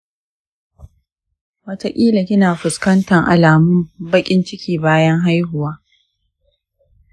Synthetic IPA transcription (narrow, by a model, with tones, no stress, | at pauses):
wɐ˦ta˦kʲʼiː˦la˨kʲɪ˦naː˨ɸʊ˨skɐ˦ntɐ˨ŋʔa̰˨laː˨mʊ˦mbɐ˦kʲʼɪ˦nt͡ʃɪ˦kʲiː˨baː˦jɐ˦ŋɦa˦jhʊ˨waː˦